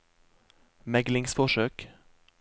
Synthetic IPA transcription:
mɛɡlɪŋsfɔʂøːk

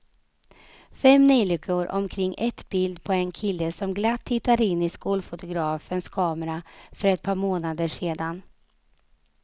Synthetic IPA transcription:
fɛmnɛːlʏkʰːʊɾʔɔ̰mkʰɾɪŋːʔɛt̪bɪld̪pʰɔɛnkʰɪlːəsɔmɡlat̪ʰːɪt̪ːaɾɪnːɪskuːlfʊt̪ʊɡɾɑːfənskʰɑːmɛɾafœɾɛt̪̚pʰɑːɾmoːnad̪əʂeːd̪an

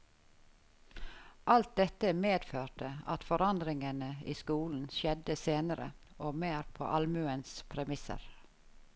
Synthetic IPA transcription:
ʔɑlt̪̚d̪ɛt̪əmeːd̪føːʈəɑt̪fɔɾɑnd̪ɾɪŋənəḭːskuːln̩ʃɛd̪əseːnəɾə̰ | oːmeːɾpʰo̰ːʔɑlmʉənspʰɾɛmɪsə̰ɾ

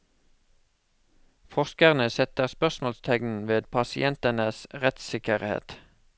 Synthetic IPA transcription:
fɔʁskəʁnəsɛt̪əʁspœʁsmoːlst̪ʰɛɡnn̩ʋeːd̪pʰɑsɪʔɛnt̪ənəsʁɛt̪sɪkəʁhḛːt̪

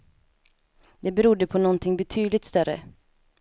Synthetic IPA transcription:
d̪ɛbɛɾud̪ːəpʰɔnɔnt̪ʰɪŋbɛt̪ʰyːd̪lɪt̪st̪œɾə̰

